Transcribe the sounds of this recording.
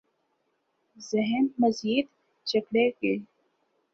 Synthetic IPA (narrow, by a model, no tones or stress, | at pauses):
zɪɦɛmːɐziːd̪ | t͡ʃɐkɽeke